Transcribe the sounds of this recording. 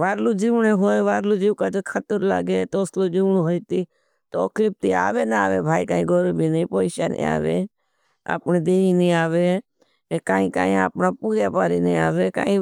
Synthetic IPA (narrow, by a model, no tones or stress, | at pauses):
ʋaːɾluːd͡ʒiʋɳeːɦoːeʋaːɾluːd͡ʒiːkat͡ʃekʰət̪əɾla̰ːɡeːt̪oːsloːd͡ʒiʋɳõɦoːit̪iː | t̪okɾɪp̚t̪ia̰ːʋeːna̰ːʋeːbʱaːikãːĩːɡoːɾoːbʱiːnĩːpoːɪʃa̰ːnḭ̃ːa̰ːʋḛː | a̰ːpneːd̪eːiːnĩːaːʋeː | ekaːĩːka̰ːĩːa̰ːpnaːpuːɾjaːpaːɾiːnĩːaːʋeːka̰ːĩ